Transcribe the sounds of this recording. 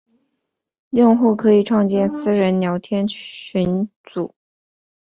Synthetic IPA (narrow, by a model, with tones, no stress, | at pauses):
jʊ˥˧ŋxu˥˩kʰɤ˧˥i˨˩ʈ͡ʂʰwɑ˥˧ŋt͡ɕjɛ˥˩nsɹ̩˥ɻə˧˥nnjɑ˧˥ʊt̪ʰjɛ˥nɕy˧˥nt͡su˨˩˦